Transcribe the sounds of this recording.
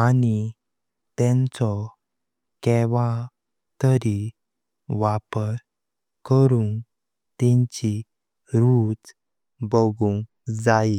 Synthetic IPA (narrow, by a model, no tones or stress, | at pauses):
ani | t̪ɛ̃nt͡sɔ | kɛʋa | t̪əɾi | ʋapəɾ | kəɾuŋ | t̪ɛ̃ɲt͡ɕi | ɾud͡z | bəɡuŋ | d͡zai